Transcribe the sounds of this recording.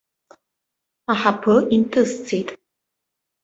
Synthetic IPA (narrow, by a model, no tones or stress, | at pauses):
aħapʰɨʔintʰɨzt͡sʰejtʼ